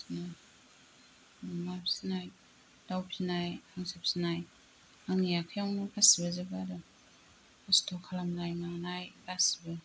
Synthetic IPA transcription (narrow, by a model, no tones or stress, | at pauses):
snaj | amapsinaj | d̥awpʰinajaŋsep̚sinaj | aŋjakʰajawnapʰasibazebadɯ | astʰokʰalamnajmaŋnajlasibɯ